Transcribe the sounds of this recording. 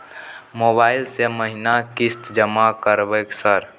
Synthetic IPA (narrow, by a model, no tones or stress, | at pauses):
mobaɪlseməɦinakist̪d͡ʒəmakəɾbəksəɾ